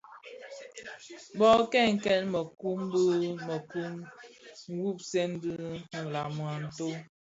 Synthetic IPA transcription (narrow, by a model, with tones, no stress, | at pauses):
bɔ˦kɛ˦˨ŋ̩˨kɛ˦nmə˨ku˦mbə˦mə˨ku˦mŋ̩˨˦wu˦˨p̚sɛ˦n˦dɨ˦n̩˨la˨mwa˨n̩˨to˦